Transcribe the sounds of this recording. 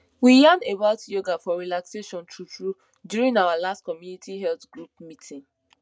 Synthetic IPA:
wijanebaʊtjoɡafɔɹilakseʃɔ̃ntʰutɹu | djuɾĩnawalastkɔmjunitʰiɦɛltɡ̥ɹup̚mitʰĩn

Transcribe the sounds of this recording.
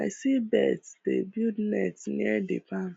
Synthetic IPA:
aɪsibɛtsdḛbjudnɛtnḭɛdɪpan

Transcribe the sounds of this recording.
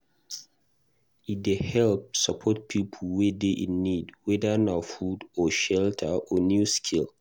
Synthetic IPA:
it̚dehɛlp̚səpʰɔt̚pʰipʰəlwɛdeʔĩnːidwɛdənafudɔʃɛltʰəɔnjuskʰil

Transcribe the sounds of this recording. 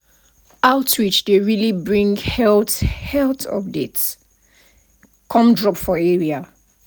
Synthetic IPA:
aʊtɹit͡ʃdeɹilibɹĩŋhɛlthɛltɔ̰p̚dets | kʰɔ̃mdɹɔpfɔɛɹia

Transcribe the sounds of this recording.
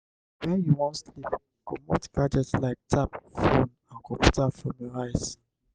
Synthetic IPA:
wɛjuwɔ̃ntslip | komɔtkad͡ʒɛtlaɪk̚tʰapfõn | ãnkɔpʰutapfɹɔ̃mjəɹaɪs

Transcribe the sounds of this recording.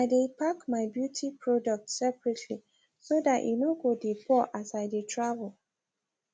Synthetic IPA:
aɪdepʰakmaɪbjutʰipʰɹɔdɔk̚tsɛpɹɛtʰli | sodatʔḭnoɡodebɔʔasaɪdetʰɹavəl

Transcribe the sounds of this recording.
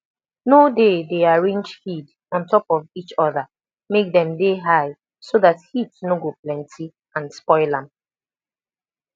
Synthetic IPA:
nodedeaɹẽnd͡ʒhid | ɔ̃ntʰɔpɔvit͡ʃɔða | mek̚dɛ̃mdeɦaɪ | soðathitsnoɡoplɛ̃ntʰi | ãnspɔɪlãm

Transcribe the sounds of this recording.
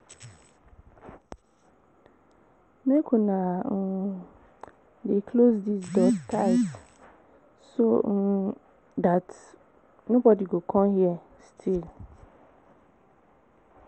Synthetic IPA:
mekʰũnã | dekʰlosdisdɔɡtʰaɪt | son̩ | dat | nʊ̃bɔdiɡokʰɔ̃nhiɛ | stʰil

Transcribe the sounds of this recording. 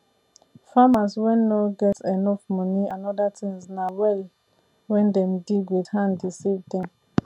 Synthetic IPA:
famaswɛ̃nːoɡɛtɛnɔfmɔnianɔdatĩŋznawɛl | wɛ̃ndɛm̩diɡwidhãndisivdɛ̃m

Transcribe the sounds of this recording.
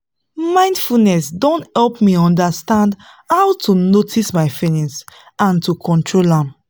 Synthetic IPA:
mãɪ̃ndfulnɛsdɔ̃nthɛlpmiɔ̃ndastãnd | haʊtʰunotismaɪfinĩns | ãntukʰɔ̃ntʰɹolãm

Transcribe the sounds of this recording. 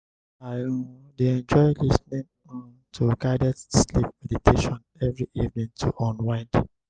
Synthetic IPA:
a | deɛ̃nd͡ʒɔɪlisnĩn | ɔn | tʰuɡaɪdɛtslip̚mɛditʰeʃɔ̃n | ɛvɹiʔivnĩŋtʰṵʔɔ̃nwãɪ̃nd

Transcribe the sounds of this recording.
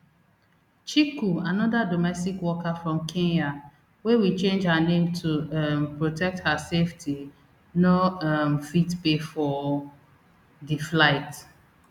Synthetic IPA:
t͡ʃikuanɔdadomɛstikwɔkafɹɔ̃mkʰẽnja | wewit͡ʃẽnd͡ʒhaanẽmtʰumpɹotʰɛk̚thaseftʰi | noamfitpefɔ | diflaɪt

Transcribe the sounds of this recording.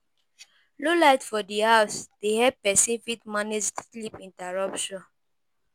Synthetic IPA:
lolaɪtfɔdihaʊsd̥ehɛpɛsĩnfitmaned͡ʒslipĩntaɹɔpʃɔ̃n

